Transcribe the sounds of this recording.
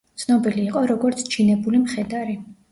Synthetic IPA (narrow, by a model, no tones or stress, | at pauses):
t̪sʰnɔbiliːqʼɔɾɔɡɔɾt̪sʰt͡ʃʰinɛbulimχɛd̪aɾi